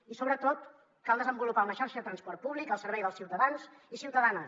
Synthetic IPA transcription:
isoβɾət̪ot̪ | kalˠd̪əzəmbulupaləʃaɾʃəðət̪ɾənspɔrt̪̚puβlikəlˠsərβɛjðəlˠsiwt̪əðanz | isiwt̪əðanə

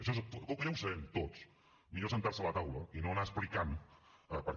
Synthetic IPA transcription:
əʃɔskɔlwkəʎawsəβɛmt̪ot͡s | miʎosənt̪aɾsələt̪awləinonasplikanəpəɾ

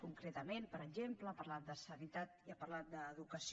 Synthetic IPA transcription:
kuŋkɾet̪əmenpəɾəʒempləpərlat̪̚d̪əsənit̪at̪iəpəɾlat̪̚d̪əːðukəs

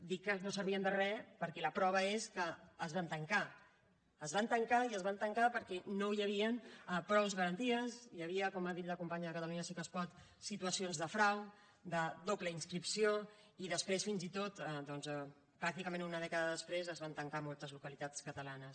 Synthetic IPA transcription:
d̪ikːənosəɾβ̞iənd̪ərɛpəɾkɛləpɾɔβ̞əeskəːzβant̪əŋka | əzβant̪əŋkaiəzβant̪əŋkapəɾkɛnojəβ̞iənpɾɔwzɣəɾənt̪iəsjəβ̞iəkɔmaðit̪ləkumpaɲəðəkət̪əluɲəsikəspɔt̪ | sit̪uəsionzðəfɾaw | d̪əd̪opləinskɾipsio | iðəspɾesfinzit̪ot̪ɛd̪ɔnzɛ | pɾak̚t̪ikəmẽnunəðɛkəðəðəspɾezəzβant̪əŋkamɔlˠt̪əzlukəlit̪at͡skət̪əlanəs

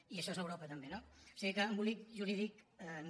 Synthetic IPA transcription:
iəʃɔezəwɾopət̪əmbenoo̥siɣikəːmbulikʒuɾiðik

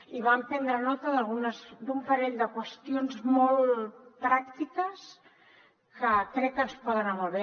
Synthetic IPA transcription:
iβampɛnd̪ɾənɔt̪əðəlˠɣunəzd̪umpəɾɛʎd̪əkwəst̪ionzmɔlˠpɾak̚t̪ikəs | kəkɾɛkənspɔðənəmoβe

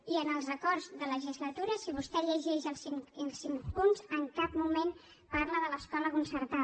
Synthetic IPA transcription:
iənəlˠzəkɔrzðələʒizlət̪uɾəsiβust̪ɛʎəʒɛʃəlˠsiŋəlˠsiŋpunzəŋkap̚mumen | parləðələskɔləkunsəɾt̪a

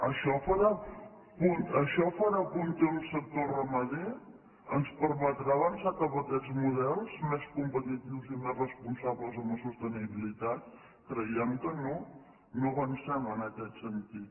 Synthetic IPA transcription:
əʃɔfəɾa | punt̪əʃɔfəɾapunt̪emmsək̚t̪orəməðe | ənspəɾmət̪ɾaβənsat̪əβək̪ɛd͡zmuðɛlˠzmeskumpət̪it̪iwzimerrəspunsaβləzəməsust̪əniβilit̪at̪̚ | kɾəiɛmkəno | noβənsɛmənəkɛt̪sənt̪it̪̚

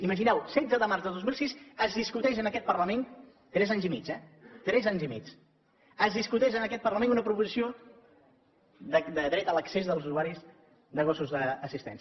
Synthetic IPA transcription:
iməʒinɛwsɛd͡zəðəmaɾzðəðozmilˠsisəzðiskut̪ɛʃ̬ənəkɛt̪̚pərləmen | t̪ɾɛzaɲzimid͡ʒɛt̪ɾɛzaɲzimḭt͡s | əzðiskut̪ɛʒənəkɛt̪pərləmẽnunəpɾupuzisio | d̪əd̪əðɾɛt̪ələksezðəlˠzuzuaɾiz | d̪əɣ̞osuzðəːsist̪ɛ̰ns

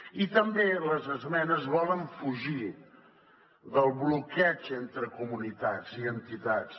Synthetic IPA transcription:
it̪əmbeləzəzmɛnəzβɔləɱfuʒi | ðəlˠβlukɛt͡ʃent̪ɾəkumunit̪ad͡ziənt̪it̪at͡s

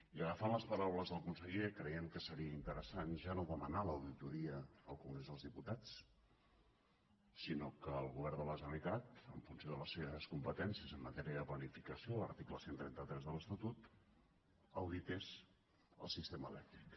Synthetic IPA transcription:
iəɣəfanləspəɾawləzðəlˠkunsəʎekɾəjɛmkəsəɾiəint̪əɾəsanʒanoðəmənaləwðit̪uɾiəəlˠkuŋɡɾezðəlˠzðiput̪at͡s | sinokəːlˠɣuβɛɾnd̪ələzəlikat̪əɱfunsjoðələsːeβəskumpət̪ɛnsiəzəmːət̪ɛɾiəðəplənifikəsioləɾt̪ikləsent̪ɾɛnt̪ət̪ɾɛzðələst̪ət̪ut̪ | əwðit̪ez | ə̰lˠsist̪eməlɛk̚t̪ɾik

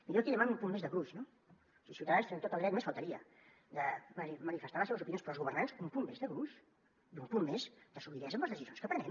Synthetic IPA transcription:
miʎok̪iʎəmanumpummːezðəɣɾuʃno | siisiuwt̪əðanst̪enent̪ot̪əlˠɾɛk̪mesfəlˠt̪əɾiə | d̪əmənimənifəst̪aɾləseβəzupinjonspɾɔlzɣuβərnansumpumːezðəɣɾuʃ | dumpumːmezd̪̥əsuβiɾɛzə̃mbləzðəsizonskəpɾənɛm

